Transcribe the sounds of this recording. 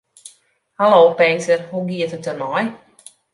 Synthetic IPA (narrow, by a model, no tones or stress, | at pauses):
haloːpɛŋsərhuɡiətutərmɔj